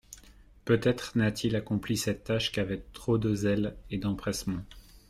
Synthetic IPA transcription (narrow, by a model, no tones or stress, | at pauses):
pøt̪ɛt̪χnat̪ʰilakɔ̃plisɛt̪ːaʃkʲavɛt̪χod̪əzɛled̪ɑ̃pχɛsmɑ̃